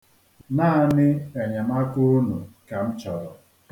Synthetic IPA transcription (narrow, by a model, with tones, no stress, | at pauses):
naː˦˨nɪ˦e˨ɲe˨ma˦kʊ˦nṵ˨ka˨m̩˦t͡ʃɔ˨ɾɔ˨